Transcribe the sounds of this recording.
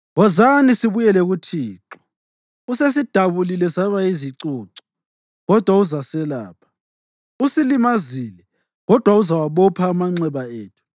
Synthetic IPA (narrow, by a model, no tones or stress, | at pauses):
ɣɔzanisiβujɛlɛɣutʰiːǁɔ | uses̬id̥ʱaβulilɛsaβaiziǀuːǀɔ̥ | ɣɔd̥ʱwauzasɛla̰ːpʰḁ | usilimazilɛ | ɣɔd̥ʱwauzawaβɔpʰaːmaŋ͡ǀɛβaeːtʰu̥